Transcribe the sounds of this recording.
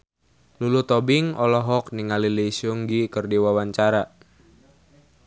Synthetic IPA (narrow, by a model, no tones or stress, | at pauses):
lulut̪ɔbiŋɔlɔɦɔk̚niŋaliliisuŋɡikərdiwawaɲt͡ʃaɾa